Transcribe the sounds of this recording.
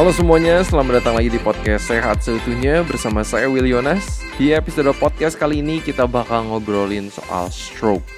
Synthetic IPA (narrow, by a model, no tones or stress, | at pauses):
alosəmuaɲast̪əlahməndat̪aŋlaɡidipɔd̚kɛseɦa̰t̪̚səut̪uɲabərsamasa̰jawilionasdiepisodapɔd̪̚kɛskaliːnikit̪abakaŋəbəɾolinso̰ʔa̰lst̪ɾok̚